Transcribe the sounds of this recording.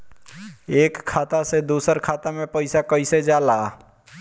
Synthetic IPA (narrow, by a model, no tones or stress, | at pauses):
ekʰːat̪ased̪usəɾkʰat̪amepəɪsakəɪsed͡ʒala